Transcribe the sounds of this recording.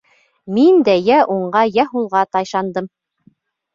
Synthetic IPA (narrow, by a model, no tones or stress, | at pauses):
mind̪æjæʔuɴɢɑjæɦulˠʁɑt̪ɑjʃɑnd̪ɤm